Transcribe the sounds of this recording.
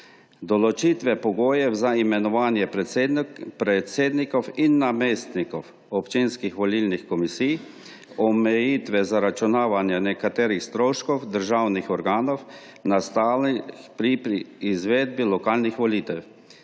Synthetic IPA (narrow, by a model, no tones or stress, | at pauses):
d̪ɔlɔt͡ʃit̪ʋɛpɔɡoːjɛwzaimɛnɔʋaːnjɛ | pɾɛt̪seːd̪nikɔwinːameːst̪nikɔw | ɔpt͡ʃinskixʋɔlilnixkɔmisij | ɔmɛjit̪ʋɛzaɾat͡ʃunaːʋanjɛnɛkat̪eːɾixst̪ɾoːʃkɔwd̪əɾʒaːwnixɔɾɡaːnɔw | nast̪aːlipɾiizʋeːd̪̚bilɔkaːlnixʋɔliːt̪ɛw